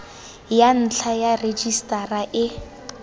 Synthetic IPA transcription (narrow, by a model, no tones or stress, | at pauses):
jan̩t͡ɬʰajared͡ʒistʼaraʔɪ